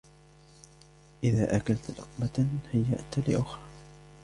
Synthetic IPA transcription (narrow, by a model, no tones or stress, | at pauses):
ʔɪðaːʔakalt̪lʊ̰qmahajːa̰ʔt̪lɪ̰ʔʊxɾ